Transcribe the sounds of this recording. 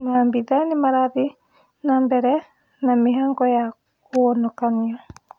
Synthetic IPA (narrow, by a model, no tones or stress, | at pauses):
nambiðanimaɾaði | nambɛɾɛ | namiɦaŋɡɔja | konɔkaniɔ